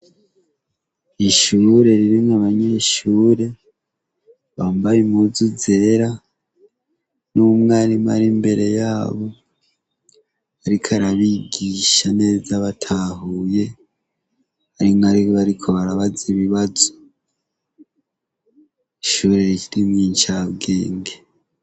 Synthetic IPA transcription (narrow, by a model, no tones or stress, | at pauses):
iʃuːɾe̞ɾiɾimaβaɲe̞ʃuːɾe̞ | βaːmbajimuzuze̞ːɾa | numŋaɾimaɾimbe̞ɾe̞jaːβo̞ | aɾikʰaɾaβiɡiʃane̞ːzaβatʰahuje̞ | aɾimŋaɾiβaɾikʰo̞βaɾaβaziβiβazo | iʃuɾe̞ɾiiɾimŋiːnt͡ʃaβɡe̞ːŋɡe